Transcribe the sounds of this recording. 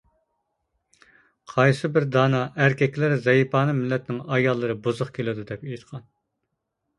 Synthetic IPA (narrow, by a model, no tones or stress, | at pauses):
qʰɑjsɨbɪɾd̪ɑːnɑʔæɾkʲɛkʲlæɾzɛjifɑːnɨmɪlːɛt̪nɪŋɑjɑlˠːɨɾɨbozʊχkʲʰelɪd̪ud̪ɛpejt̪qʰɑn